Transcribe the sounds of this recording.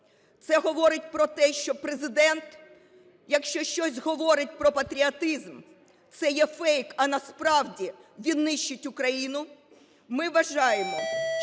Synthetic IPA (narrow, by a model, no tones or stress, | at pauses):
t̪sɛɦɔʋɔɾɪtʲpɾɔt̪ɛʃt͡ʃɔpɾezɪd̪ɛnt̪ | jɐkʃt͡ʃɔʃt͡ʃɔsʲɦɔʋɔɾɪt̚ʲpɾɔpɐt̪ɾʲiɐt̪ɪzm | t̪sɛjɛfɛjkɐnɐspɾɑwdʲiʋʲid̪nɪʃt͡ʃːʊtʲʊkɾɐjinʊ | mɪʋɐʒɑjemɔ